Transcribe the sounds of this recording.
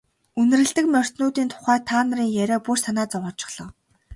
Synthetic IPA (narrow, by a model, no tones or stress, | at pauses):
ɵnɘ̆rɘ̆ɬt̪ɘ̆kmʲœr̥ʲt̪noːt̪iːnt̪ʰʊ̥χæːt̪ʰaːnə̆riːŋjæɾʲaːpursanaːt͡sɔʁɔːt͡ɕɪ̥̆χɮ̥ɞ̆